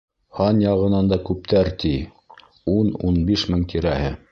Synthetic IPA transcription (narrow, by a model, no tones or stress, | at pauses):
hɑnjɑʁɤ̆nɑnd̪ɑkʉp̚t̪æɾt̪i | unṵnbiʃmɘŋt̪ʰiɾæhɘ